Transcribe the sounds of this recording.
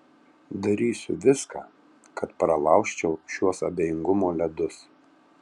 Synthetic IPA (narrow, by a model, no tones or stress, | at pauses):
d̪ɐɾʲiːsʲʊ̰ʋʲɪska̰ː | kɐt̪pɾɐlˠɑˑʊkʃʲt͡ʃʲɛʊʃʲuɔsɐbʲeːjɪŋɡʊmoːlʲɛd̪ʊs